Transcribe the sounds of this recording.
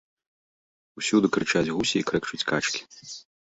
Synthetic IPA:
usʲud̪ɨkɾɨt͡ʂad͡zʲɣusʲiːkɾɛkt͡ʃut͡sʲkat͡ʃkʲi̥

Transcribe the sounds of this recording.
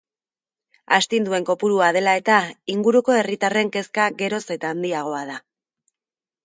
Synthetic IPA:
ast̪ind̪ue̞ŋko̞puɾuaðe̞lae̞t̪aiŋɡuɾuko̞e̞rit̪are̞ŋke̞skaɣe̞ɾo̞se̞t̪aːnd̪iaɣ̞o̞að̞a

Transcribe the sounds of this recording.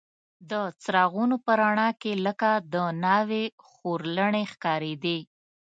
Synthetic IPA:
d̪ət͡sɾɑɣunopəɾaɳɑkeləkad̪ənɑwe | xoɾləɳexkɑɾed̪e

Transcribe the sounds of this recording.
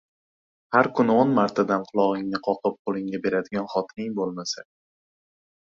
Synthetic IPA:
haɾkʰʊnɪonmaɾt̪ʰad̪anqʰʊlˠɒʁɪŋnɪqʰɒqʰɨp̚qʰolˠɪŋɡʲabe̞ɾad̪ɪɡʲanχɒt̪ʰɪnɪŋbolˠmasa

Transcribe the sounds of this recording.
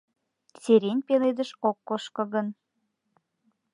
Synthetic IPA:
seɾenʲpeled̪əʃokːoʃkɤ̆ɣən

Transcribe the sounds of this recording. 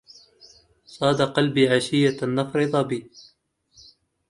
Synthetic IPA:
sˤɑːd̪aqɑlbiːʕaʃɪjːaanːɑfɾɨðˤɑbiː

